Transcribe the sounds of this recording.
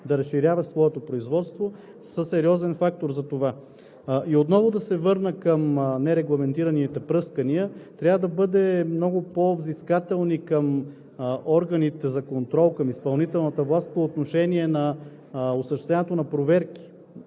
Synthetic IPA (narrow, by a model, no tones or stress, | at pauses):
d̪ɐɾɐsʃːiɾʲjavɐsvɔɛt̪opɾoizvɔt̪st̪vo | səsɛɾiɔzɛnfak̚t̪oɾzɐt̪ova | ʔiot̪nɔvod̪ɐsɛvɤɾnəkəmnɛɾɛɡlˠɐmɛnt̪iɾɐnit̪ɛpɾɤskəniət̪ɾʲjavəd̪ɐbɤd̪ɛmnɔɡʊpovziskat̪ɛlˠnikəm | ɔɾɡənit̪ɛzɐkont̪ɾɔlˠkɐmispɐlˠnit̪ɛlˠnɐt̪əvlˠast̪̚poːt̪noʃɛniɛnɐ | osəʃt̪ɛst̪vʲɛnɛt̪onɐpɾovɛɾki̥